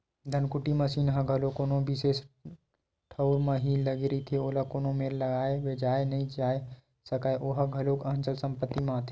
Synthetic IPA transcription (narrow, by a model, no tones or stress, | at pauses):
d̪ʱənkʊʈiməsiːnɦə̃ɡʱəlokoːnõbises | ʈʰəʊɾməɦiləɡeɾit̪ʰeoːlakoːnõmeɾləɡaːeʋed͡ʒaːenɐɦĩd͡ʒaːe | səkaeʔoɦaɡʱɐlokəə̃nt͡ʃəlsə̃mpət̪ːimãt̪ʰː